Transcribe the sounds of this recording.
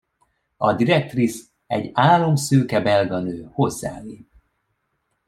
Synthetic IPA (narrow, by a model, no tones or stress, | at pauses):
ɒd̪iɾɛk̚t̪ris | ɛɟaːlːo̞msøːkɛbɛlɡɒnøːho̞zːa̰ːliːv